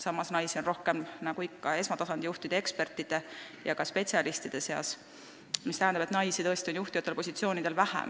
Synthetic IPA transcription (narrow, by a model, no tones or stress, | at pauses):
sɑmːɑsnɑjsionro̞hke̞mnɑɡ̥uikːɑe̞smɑt̪ɑsɑnd̪̥ʲijuht̪id̥̪ee̞kspe̞rt̪ːˑid̪̥e̞ | jɑkɑspe̞t̪ʲsiɑlist̪id̪̥e̞se̞ɑ̰s | mist̪æɦænd̪ɑbet̪nɑjsit̪ɤ̞e̞st̪io̞njuht̪ijɑt̪ːˑelpo̞sʲit̪sio̞ːnid̪̥elvæhæ̰m